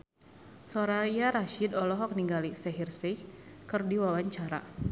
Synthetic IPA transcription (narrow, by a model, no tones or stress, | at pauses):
sɔɾajaɾaʃidɔlɔɦɔk̚niŋɡalisɛɦirsɛkɨrdiwawaɲt͡ʃaɾa̰